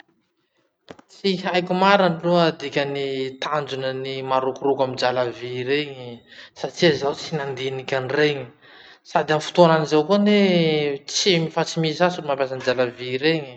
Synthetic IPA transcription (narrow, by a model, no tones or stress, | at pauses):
t͡siɦajkʲumaɾaniluəd̪ikʲənit̪and͡ʒunənimaɾukuɾukamid͡ʒalaviɾeɲisaʈ͡ʂiəzawt͡sinand̪inikʲanireɲi | sad̪iamfu̥t̪oananizawkunet͡simifat͡simisasulimampjas̬and͡ʒalaviɾeɲ